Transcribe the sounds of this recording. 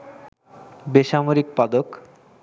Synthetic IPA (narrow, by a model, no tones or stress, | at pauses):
beʃamoɾik̚pad̪ok